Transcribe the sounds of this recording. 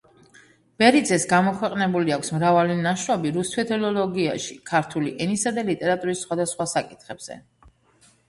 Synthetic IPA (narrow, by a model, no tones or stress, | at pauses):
b̥ɛɾid̪zɛsɡamɔkʰwɛqʼnɛbuliakʷʰsmɾavalinaʃɾɔbiɾust̪ʰwɛt̪ʰɛlɔlɔɡia̰ʃikʰaɾt̪ʰuliʔɛnisad̪alit̪ʼɛɾat̪ʼuɾisːχwad̪asχwasakʼit̪ʰχɛbz̥ɛ̰